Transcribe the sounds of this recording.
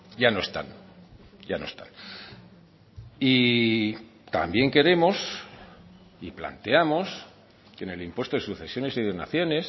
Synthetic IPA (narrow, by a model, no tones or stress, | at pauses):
ʝano̞est̪a̰n | ɟ͡ʝano̞est̪a̰n | i | t̪a̰mbje̞ŋke̞ɾe̞mo̞s | ipla̰nt̪eamo̞s | kene̞limpwe̞st̪oðesuθe̞sjo̞ne̞siðeɣna̰θjo̞ne̞s